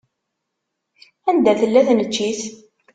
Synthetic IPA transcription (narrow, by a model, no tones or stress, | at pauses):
ænd̪æθəlːæθnət͡ʃːiθ